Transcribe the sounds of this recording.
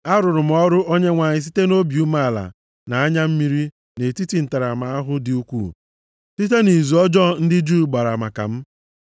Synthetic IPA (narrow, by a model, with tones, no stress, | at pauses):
a˦ɾʊ˨ɾʊ˨m̩˦ɔ˦ɾʊ˦ʔo˦ɲe˦ŋʷa˨ɲɪ˨s̬i˦te˦no˦bi˨u˦ma˦a˦˨la̰˨ | na˨a˦ɲa˦m̩˦mi˦ɾi˦ | ne˨ti˦ti˨n̩˨ta˨ɾa˨ma˨a˦ɦʊ˦dɪ˨u˦kʷṵ˦˨ | si˦t̬e˦ni˨zu˨ɔ˦d͡ʒɔ˦n̩˦dɪ˦d͡ʒuː˦˨˦ɡ͡ba˨ɾa˨ma̰˨ka̰˨m̩˦